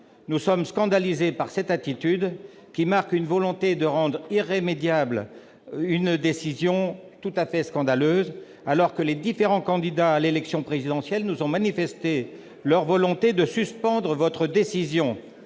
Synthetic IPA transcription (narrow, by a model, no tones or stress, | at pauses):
nusɔmskɑ̃d̪alizepaʁsɛt̪at̪it̪yd̪ | kʲimaʁkynvɔlɔ̃t̪ed̪əʁɑ̃d̪ʁiʁːemed̪jabl | ynd̪esizjɔ̃t̪ut̪afɛskɑ̃d̪aløz | alɔʁkəled̪ifeʁɑ̃kɑ̃d̪id̪aːlelɛksjɔ̃pχezid̪ɑ̃sjɛlnuzɔ̃manifɛst̪e | lœʁvɔlɔ̃t̪ed̪əsyspɑ̃d̪ʁəvɔt̪χəd̪esizjɔ̃